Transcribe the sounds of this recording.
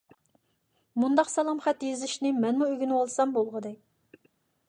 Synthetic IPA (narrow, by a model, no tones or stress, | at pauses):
mund̪ɑqsɑlˠɑmχɛt̪jezɪʃnɪmɛnmuøɡʲynwɑlˠsɑmbolˠʁəd̪ɛkʲ